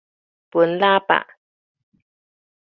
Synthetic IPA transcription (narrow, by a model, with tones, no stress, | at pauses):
pu˨˦nlaː˦˥pa̰˨ʔ